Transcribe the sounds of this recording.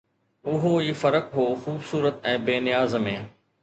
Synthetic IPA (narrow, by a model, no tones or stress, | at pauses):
ʊɦoiːfɐɾəkɦoːxuːbsuːɾət̪ɛ̃ːbeːnɪjaːzmẽː